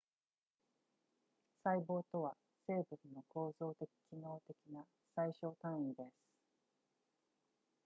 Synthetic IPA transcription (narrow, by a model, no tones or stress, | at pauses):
saibo̞ːt̪o̞βa | se̞ːbɯ̟nnːo̞ko̞ːzo̞ːt̪e̞kʲi̥kʲʰino̞ːt̪e̞kʲina | saiɕo̞ːt̪ãɰ̃id̪e̞sɨ̥